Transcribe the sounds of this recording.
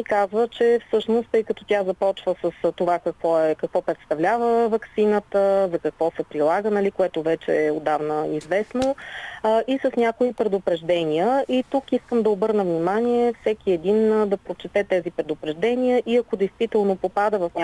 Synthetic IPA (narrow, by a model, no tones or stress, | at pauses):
ikazvət͡ʃɛfsɤʃnost̪ɤjkət̪ɔt̪ʲazɐpɔt͡ʃvəsəst̪ovakɐkvɔɛkɐkvɔpɾɛt̪st̪ɐvlʲavəvɐksinət̪əzɐkɐkvɔsɛpɾilˠaɡənɐlikoɛt̪ovɛt͡ʃɛ̰ːod̪avnəizvɛsno | ʔisəsnʲakoipɾɛd̪opɾɛʒd̪ɛnʲiəʔit̪ukiskəmd̪ɐobɤɾnəvnimanʲiɛfsɛk̟iɛd̪ind̪ɐpɾot͡ʃɛt̪ɛt̪ɛzipɾɛd̪ʊpɾɛʒd̪ɛnʲiəʔiɐkod̪ɛjst̪vit̪ɛlˠnopopad̪əvɐfnʲa